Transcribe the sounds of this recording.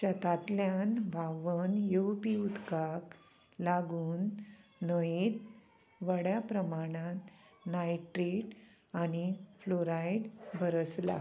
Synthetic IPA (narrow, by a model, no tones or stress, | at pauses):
t͡ɕat̪at̪ljanʋaʋənjuwpiud̪kak | laɡuːnːəjet̪ | ʋəɽjapɾəmaɽ̃ãt̪najʈɾeʈ | añifloɾajɖbʱəɾəsla̰